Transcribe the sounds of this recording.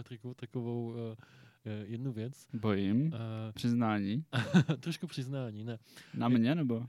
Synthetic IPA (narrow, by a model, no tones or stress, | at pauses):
t̪akot̪akovow | jɛdnuvjɛt͡sbojɪmpr̥ɪznaːɲiːt̪ɾoʃkupr̥ɪznaːɲiːnɛnamɲɛnɛbo